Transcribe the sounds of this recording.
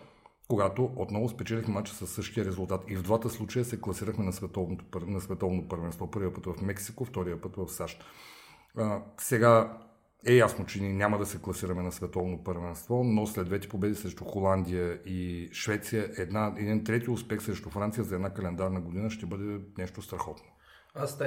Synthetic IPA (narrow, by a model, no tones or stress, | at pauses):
koɡat̪oʔot̪nɔvʊspɛt͡ʃɛlixmɛmat͡ʃɛ̥sɐsːɤʃt̪ijəɾɛzʊlˠt̪at̪ivd̪vat̪əslˠut͡ʃəjəsɛklˠɐsiɾəxmɛnɐsvɛt̪ɔvnot̪opəɾnɐsvɛt̪ɔvnot̪pəɾvɛnst̪vɔpɤɾviəpɤt̪vɐfmɛksikoft̪ɔɾijəpɤt̪vɐfsaʃt̪ | əsɛɡa | ɛjasnot͡ʃɛniɛnʲaməd̪ɐsɛklˠɐsiɾɐmɛnɐsvɛt̪ɔvnopəɾvɛnst̪vɔnoslɛd̪vɛt̪ɛ̥pobɛd̪isɾɛʃt̪uxolˠand̪ijəiʃvɛt̪sijəʔɛd̪naɛd̪int̪ɾɛt̪iʊspɛxsɾɛʃt̪ufɾant̪sijəzɐɛd̪nakɐlɛnd̪aɾnəɡod̪inəʃt̪ɛbɤd̪ɛnɛʃt̪ost̪ɾɐxɔt̪no̥ | s